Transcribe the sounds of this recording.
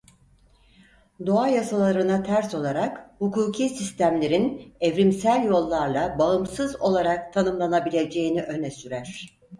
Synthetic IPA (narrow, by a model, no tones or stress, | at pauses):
d̪o̞ajasalˠaɾɯnat̪ʰæɾso̞lˠaɾakhukuːkʰiːsist̪ʰæmlʲe̞ɾinɛvɾimsælʲjo̞lˠːaɾlˠabaɯmsɯzo̞lˠaɾak̚t̪ʰanɯmlˠanabilʲe̞d͡ʒe̞jiniʔø̞nɛsyɾæɾ̥